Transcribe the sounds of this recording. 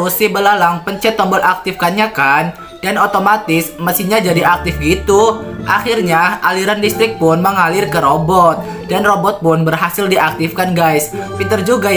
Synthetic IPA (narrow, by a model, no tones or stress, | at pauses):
usibəlalaŋpəɲt͡ʃɛt̪ːɔmbɔt̪ak̚t̪ɪfkanɲakan | danot̪omat̪ɪsməst̪iɲad͡ʒadiak̚t̪ɪfɡit̪uʔa̰xɪrɲaaliɾandist̪ɾɪk̚pʊnməŋalɪrkəɾobɔt̪̚ | danrobɔt̪̚pʊnbərɦasɪldiʔak̚t̪ɪfkanɡajspint̪ərd͡ʒuɡa